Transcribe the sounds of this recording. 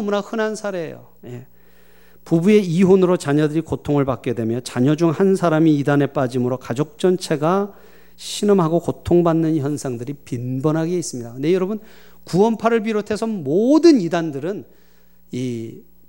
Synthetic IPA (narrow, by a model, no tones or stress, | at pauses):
munahɯnɦansʰaɾe̞ḛjo̰ | je̞ | pubue̞iɦonɯɾot͡ɕaɲʌdɯɾikotʰoŋɯɭpak͈̚e̞dwe̞mjʌt͡ɕaɲʌd͡ʑuŋhansʰaɾamiːdane̞p͈ad͡ʑimɯɾokad͡ʑok̚t͡ɕ͈ʌnt͡ɕʰe̞ɡa | ɕʰinɯmɦaɡokotʰoŋbanːɯnçjʌnsʰaŋdɯɾipinbʌnɦaɡeis͈ɯmɲidandejʌɾʌbɯn | kuʌnpʰaɾɯɭp̬iɾotʰe̞sʰʌmodɯnidandɯɾɯn | i